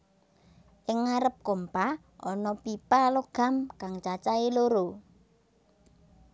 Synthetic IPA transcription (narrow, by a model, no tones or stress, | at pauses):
ʔɪŋːaɾəp̚kompa | ʔɔnɔpipaloɡ̥a̤mkaŋt͡ʃat͡ʃaeloɾo